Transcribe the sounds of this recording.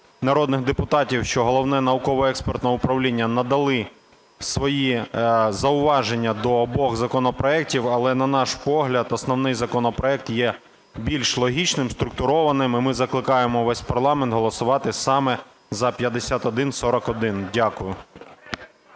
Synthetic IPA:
nɐɾɔd̪nɪxd̪epʊt̪ɑtʲiwʃt͡ʃɔɦɔlˠɔʋnɛnɐʋʊkɔʋɔɛkspert̪nɔʊpɾɐwlʲinʲːɐnɐd̪ɐlˠɪ | sʋɔjizɐʊʋɑʒe̞nʲːɐd̪ɔːbɔɣzɐkɔnɔpɾɔɛk̚tʲiwɐlˠɛnɐnɑʃpɔɦlʲɐd̪ɔsnɔwnɪjzɐkɔnɔpɾɔɛk̚t̪jɛ | bʲilʲʃlˠɔɦʲit͡ʃnɪmst̪ɾʊk̚t̪ʊɾɔʋɐnɪmɪmɪzɐklˠɪkɑjemɔʋɛsʲpɐrlˠɑmɛnt̪ɦɔlˠɔsʊʋɑt̪ɪsɑmɛ | zɐpʲjɐd̪esʲat̪ɔd̪ɪnsɔɾɔkɔd̪ɪndʲakʊjʊ

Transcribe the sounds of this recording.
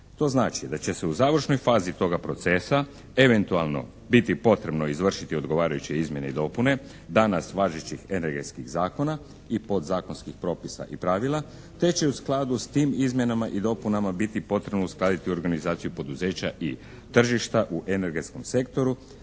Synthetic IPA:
t̪o̞ːznaːt͡ʃid̪at͡ɕe̞se̞uzaːʋr̩ʃno̞jfaːzit̪o̞ɡapɾo̞t̪se̞sa | e̞ʋe̞nt̪ualˠno̞̰ | bit̪ipo̞t̪ɾe̞bno̞izʋr̩ʃit̪io̞d̪ɡo̞ʋaːɾajut͡ɕeizmje̞neid̪o̞pune̞ | d̪anasʋaːʒet͡ɕixe̞ne̞ɾɡe̞t̪skiɣzaːko̞na | ipo̞d̪zaːko̞nskixpɾo̞ːpisa̰ʔipɾaːʋilˠa | t̪e̞t͡ɕe̞usklˠad̪ust̪iːmizmje̞namaʔid̪o̞punamabit̪ipo̞t̪ɾe̞bnousklˠad̪it̪io̞ɾɡanizaːt̪sijupo̞d̪uze̞ːt͡ɕa̰ʔi | t̪r̩ʒiʃt̪aʔuʔene̞ɾɡe̞t̪sko̞mse̞kt̪o̞ɾu

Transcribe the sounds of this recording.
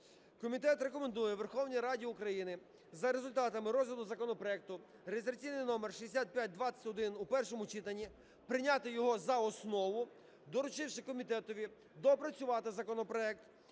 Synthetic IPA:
kɔmʲit̪ɛt̪re̞kɔmend̪ujɛʋerxɔwnʲijɾɑdʲiukɾɐjinɪ | zɐɾezʊlʲt̪ɑt̪ɐmɪɾɔzʲlʲɐd̪ʊzɐkɔnɔpɾɔɛk̚t̪ʊ | ɾeizɾɐt͡sʲijnɪjnɔmerʃiesʲat̪̚pʲjat̪̚ʲd̪ʋɑt͡sʲɐ̥tʲɔd̪ɪnupɛrʃɔmʊt͡ʃit̪ɐnʲːi | pɾɪnʲɑt̪ɪjɔɦɔzɐɔsnɔʋʊ | d̪ɔɾʊt͡ʃɪwʃɪkɔmʲit̪ɛt̪ɔʋʲi | d̪ɔpɾɐt͡sʲʊʋɑt̪ɪzɐkɔnɔpɾɔɛk̚t̪

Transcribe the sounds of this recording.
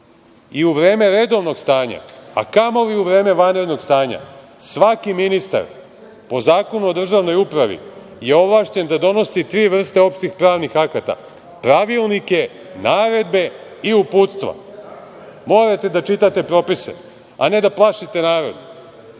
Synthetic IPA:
iuʋɾe̞ːme̞ɾe̞d̪o̞ʋno̞ɡst̪aːɲa̰a̰kamo̞ʋiuʋɾe̞ːmeʋanɾe̞d̪no̞ɡst̪aːɲa̰ | sʋakiminist̪a̰ɾ | po̞zaːko̞nuo̞d̪r̩ʒaʋno̞jupɾaʋḭ | je̞o̞ʋlˠaʃt͡ɕe̞nd̪ad̪o̞no̞sit̪ɾiːʋr̩st̪eo̞pʃt̪ixpɾaːʋnixakat̪a̰ | pɾaʋilˠnike̞ | naːɾe̞d̪be̞iupuːt̪st̪ʋa̰ | mo̞ːɾat̪e̞d̪at͡ʃit̪at̪e̞pɾo̞pisḛ | a̰ne̞d̪aplˠaʃit̪e̞naːɾo̞̰d̪

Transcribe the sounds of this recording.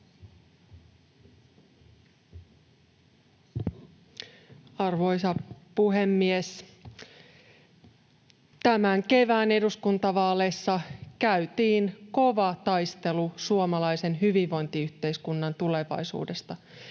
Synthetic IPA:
ɑrʋo̞jsɑpuɦe̞mːies | t̪æmæŋke̞ʋæːne̞duskunt̪ɑʋɑːle̞sːɑkæyt̪iːnko̞ʋɑt̪ɑjst̪e̞lusuomɑlɑjse̞nɦyʋiʋːo̞jnt̪iyht̪e̞iskunːɑnt̪ule̞ʋɑ̰jsṵːde̞st̪ɑ

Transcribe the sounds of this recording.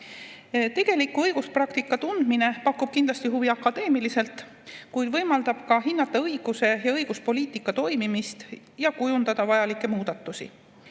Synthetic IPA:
t̪e̞ɡ̥e̞likːuɤjɡ̥usprɑkt̪ikːˑɑt̪und̪̥mine̞pɑkːub̥̚kind̪lɑsʲt̪iɦuviɑkːɑd̪e̞ːmilise̞lt̪ˑ | kujd̪̥vɤjmɑld̪ɑb̥kɑɦinːɑt̪ːˑɑɤiɡ̥use̞jɑɤjɡ̥uspo̞liːt̪ˑikːˑɑt̪o̞jmimist̪ | jɑkujund̪ɑd̪̥ɑvɑjɑlikˑːe̞muːd̪̥ɑt̪ːˑusḭ

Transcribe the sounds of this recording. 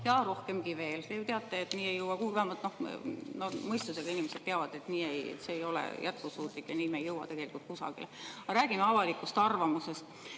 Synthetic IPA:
jɑɾo̞hke̞mɡive̞ːlt̪ejot̪eɑt̪ːˑeet̪niːe̞jɤwɑkuiɡvæmɑt̪no̞hnomɤjst̪use̞ɡ̥ɑinimese̞d̥̪̚teɑvɑd̪e̞t̪niːejseːjo̞lḛjæt̪̚kusuːt̪ˑlikːjɑniːmejɤwɑ̰t̪e̞ɡ̥e̞likult̪̚kusɑ̰ɡ̥ḭlɑɾæːɡ̥imeɑvɑlikːˑust̪ɑrvɑmuse̞st̪

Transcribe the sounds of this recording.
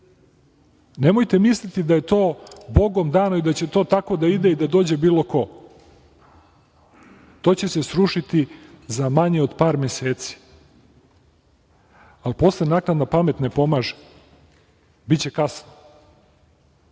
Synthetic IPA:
nemo̞jt̪e̞mislit̪id̪aje̞t̪o̞ːbo̞ɡomd̪aːnaid̪at͡ɕe̞t̪o̞ːt̪ako̞d̪aid̪eid̪ad̪o̞ːd͡ʑe̞biːlo̞ko̞ | t̪o̞ːt͡ɕe̞sesɾuʃit̪izamaɲeod̪paːɾmeseːt̪si̥ | alpo̞slenaːknad̪napame̞t̪ne̞po̞maːʒe | bitt͡ɕe̞kasno

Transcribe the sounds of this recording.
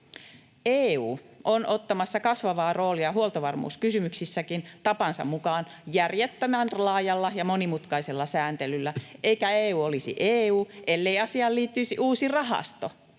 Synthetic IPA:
eːuːʔonʔot̪ːɑmɑsːɑkɑsʋɑʋɑːro̞ːliɑhuolt̪oʋɑrmṵːskysymyksisːækint̪ɑpɑnsɑ̰mmukɑːn | jærjet̪ːæmænlɑːjɑlːɑjɑmonimut̪kɑiselːɑsæːnt̪elylːæʔeikæeːuːolisḭʔeːuːʔelːeiɑsiɑːlliːt̪ːyisiʔuːsirɑɦɑ̰st̪o

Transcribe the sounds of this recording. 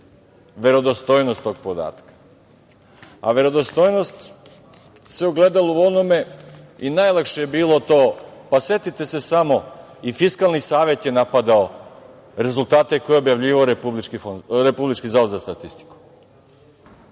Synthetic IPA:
ʋe̞ɾo̞d̪ost̪oːjnost̪ːo̞ɡ̚pod̪a̰ːt̪kḁ | a̰ʋe̞ɾo̞d̪ost̪o̞ːjno̞st̪ | seuɡle̞d̪alauonome̞inajlˠakʃejebiːlˠo̞t̪oːpaset̪it̪e̞se̞samo̞ifiskalnisaːʋe̞t̪je̞napad̪ao | ɾe̞zulˠt̪aːt̪eko̞jeobjaʋʎiːʋaoɾepublit͡ʃkifonɾepublit͡ʃkizaud̪zast̪at̪ist̪i̥ku̥

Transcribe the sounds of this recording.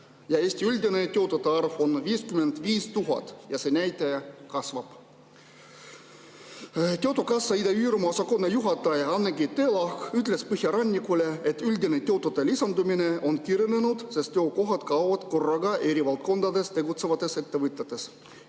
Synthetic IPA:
jɑeːsʲt̪iylʲd̪ʲine̞t̪ʲe̞t̪ːˑut̪ːˑeɑrvo̞nviːskymend̪viːst̪uɦɑ̰t̪ːˑjɑse̞næjt̪ːˑekɑsvɑb̥ | t̪ʲet̪ːˑukɑsːɑid̪eyːɾmɑosɑko̞nːejuɦɑt̪ːˑɑjɑnːeɡit̪ːe̞ːlɑhkyt̪̬le̞spɯhjɑɾɑnʲːikːˑule̞et̪ːylʲd̪inet̪ʲet̪ːˑut̪ːelisɑnd̪umine̞ʔo̞nkirjnenud̪̥sest̪ːeoko̞ɦɑt̪kɑwvɑd̪̥ko̞rːɑɡɑʔe̞ɾivɑlt̪̚ko̞nd̪ɑd̪e̞st̪e̞ɡut̪se̞vɑt̪ːˑe̞se̞t̪ːe̞vɨt̪ʲːˑet̪ːˑe̞s

